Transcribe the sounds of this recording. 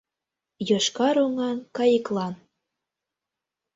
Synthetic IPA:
jɤʃkɑɾoŋɑnkɑjəklˠɑn

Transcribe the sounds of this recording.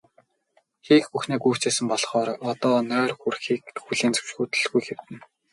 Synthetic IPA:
xiːxpuxneːkujw̥t͡seːsɘ̆mpɔɮχɔːɾɔt̪ɔːnœːrxurxiːkxuɮeːnt͡sɵ̥wʃxuːt̪ɵ̆ɮɣujxew̥t̪ɘ̆n

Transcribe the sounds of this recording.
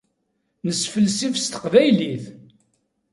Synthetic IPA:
nəsfəlsifst̪ə̥qvæjliθ

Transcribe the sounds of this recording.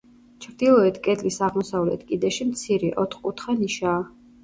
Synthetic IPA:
t͡ʃʰɾd̪ilˠɔɛt̪ʰkʼɛd̪lisaʁmɔsavlɛ̰t̪ʰkʼid̪ɛʃimt̪sʰiɾiʔɔt̪χkʼut̪ʰχaniʃaː

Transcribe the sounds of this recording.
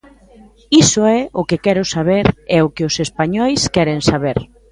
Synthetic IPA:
isʊɛʔʊkɪkɛɾʊsaβ̞eɾɛʊkɪʊsespaɲɔjskɛɾeŋsaβeɾ

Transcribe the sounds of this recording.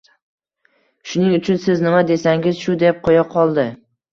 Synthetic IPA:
ʃʊnɪŋʊt͡ʃʰʊnsɪznɪmad̪e̞saŋɪzʃʊd̪ep̚qʰojaqʰɒlˠd̪ɪ

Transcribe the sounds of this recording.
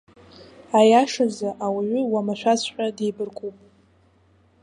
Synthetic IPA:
ajaʂazaʔawaɥʷʏwamaʃʷᶣasħᶣʷadejbɨrkʷʼupʼ

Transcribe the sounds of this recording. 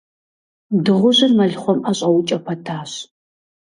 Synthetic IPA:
dɨʁʷʊʑɪrmɐɮχʷɔmʔɐɕʼɐwʊt͡ʃʼɐpʰɐtʰaːɕ

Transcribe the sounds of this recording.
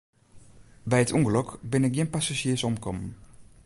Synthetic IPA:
bɛjətʰɔŋɡløkbɪnɪk̚ɡɪnpasaʒɪəsɔmkɔmən̩

